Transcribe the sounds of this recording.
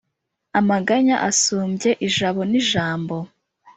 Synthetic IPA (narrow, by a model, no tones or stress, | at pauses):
amaɡaɲaʔasuːmbje̞ʔiʒaβo̞niʒaːmbo̞